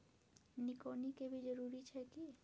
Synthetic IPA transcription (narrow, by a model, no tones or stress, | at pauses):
nikonikebid͡ʒoɾuɾit͡ɕʰɛki